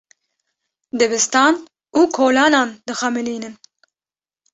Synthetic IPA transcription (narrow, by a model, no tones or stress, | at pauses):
d̪ɛbɨst̪ɑːn | uːkʰoːlɑːnɑːnd̪ɨxɑmɨliːnɨn